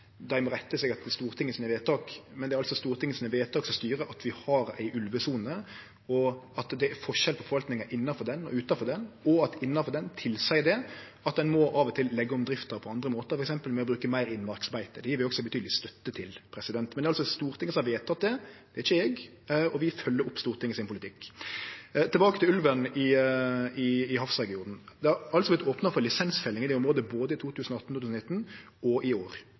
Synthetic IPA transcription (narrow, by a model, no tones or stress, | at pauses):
d̪æɪmɔɾɛt̪ːəsɛɡɑt̪st̪uːɾt̪ʰɪŋːəsinəʋeːt̪ʰɑːkmɛnd̪ɛɾɑlsɔst̪uːɾt̪ʰɪŋəsiːnəʋeːt̪ɑːksɔmst̪yːɾəʔɑt̪ʋɪhɑɾæ̰ɪʔʉlʋəsuːnə | ɔɑt̪d̪ɛæɾfɔʂʃɛlpʰɔfɔɑlt̪nɪŋəʔɪnːɑfɔɾd̪ɛnɔ̰ʉːt̪ɑfɔʁd̪ɛnɔɑt̪ɪnːɑfɔɾd̪ɛnt̪ʰɪlsæɪd̪ɛ | ɑt̪̚d̪ɛnmɔʔɑːʋɔt̪ʰɪlːɛɡːəɔmd̪ɾɪft̪əɾpʰɔɑnd̪ɾəmoːt̪əɾfɔɾɛksɛmpəlmɛɔbɾʉːkəmæɪɾɪnmɑɾksɑbæɪt̪əd̪ɛjiːɾʋɪɔksɔbət̪ʰyːd̪lɪst̪œt̪ːət̪ʰɪlpʰɾɛsɪd̪ɛnt̪mɛnd̪ɛɑlsɔst̪uːɾt̪ʰɪŋəsɔmɑʋeːt̪ɑt̪̚d̪ɛd̪ɛæɪçːəɛːɡ | ɔʋɪfœlːəɾʊpːst̪uːɾt̪ʰɪŋəɪsɪnpʰʊlɪt̪ɪkː | t̪ʰɪlbɑːkət̪ʰɪlʉlʋənɪ | ɪɪɦɑfsɛɡɪuːd̪n̩d̪ɛæɑlsɔblɪt̪oːpnɑfɔɾlɪsɛnsfɛlːɪŋɪd̪ɛːʊmɾoːd̪əboːd̪əɪt̪ʰuːt̪ʰʉːsn̩ɔɑt̪ːnuːʉsn̩ɪt̪ːn̩ | ɔʔɪoːɾ